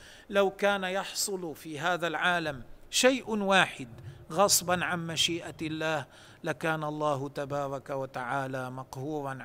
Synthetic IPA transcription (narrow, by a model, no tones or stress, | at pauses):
lawkaːnajɑħsˤʊlfiːɦaːðalʕaːlamʃajʔwaːħɪd̪ɣɑsˤbanʕanmaʃiːʔalːaːh | lakaːnalˤːɑːɦʊt̪abɑːɾˤɑkawat̪aʕaːlaːmɑqhuːɾˤɑn